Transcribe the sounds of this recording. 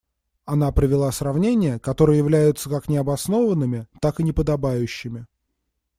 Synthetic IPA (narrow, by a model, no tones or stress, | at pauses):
ɐnapɾəvʲɪlˠasrɐvnʲenʲɪjəkɐt̪o̞ɾɨjəjɪvlʲæjʊt̪səkaknʲɪɐbɐsno̞vənːɨmʲɪt̪akɨnʲɪpəd̪ɐbajʉɕːɪmʲɪ